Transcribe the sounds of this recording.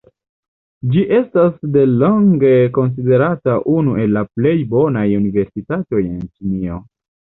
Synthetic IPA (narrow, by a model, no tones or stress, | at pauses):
d͡ʒiʔe̞stasde̞lo̞ŋɡe̞ko̞ns̬ide̞ɾataʔunuʔe̞lːaple̞jbo̞najunive̞ɾsitato̞je̞̰nt͡ʃinio̞